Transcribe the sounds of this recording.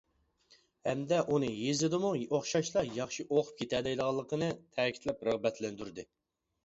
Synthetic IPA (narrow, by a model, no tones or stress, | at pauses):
hɛmd̪ɛʔunɨjezɪd̪ɨmuoχʃɑʃlˠɑjɑχʃiʔoqʰʊ̥p̚kʲʰet̪ʰɛd̪ɛjlˠəʁɑlˠːəqʰənɨt̪ʰɛːkʲi̥t̪lɛpɾəʁbɛt̪ʰlɛnd̪yɾd̪ɨ